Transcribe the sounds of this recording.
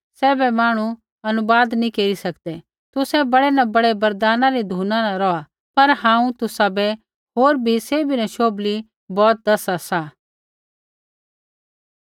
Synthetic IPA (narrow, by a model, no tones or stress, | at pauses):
sɛːbɛmaːɽ̃u | ɐnʊbaːd̪nĩkeːɾisɐkd̪ɛ | t̪ʊsɛbɐɽɛnabɐɽɛbɐɾd̪aːnãɾid̪ʱuːnanaɾɔa | pɐɾɦãːũt̪ʊsabɛ | ɦoːɾbʱiseːbinɐʃoːbli | bɔːt̪̚d̪ɐsasa